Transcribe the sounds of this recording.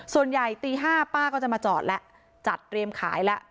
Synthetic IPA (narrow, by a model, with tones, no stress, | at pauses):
su˨˩ənja˨˩jt̪iː˧ɦaː˥˩paː˥˩kʰɔː˥˩t͡ɕa˨˩maː˧t͡ɕɔː˨˩t̪̚lɛ˦˥ʔ | t͡ɕa˨˩t̪̚ːɾi˧əmkʰa̰ː˩˦jlɛ˦˥ʔ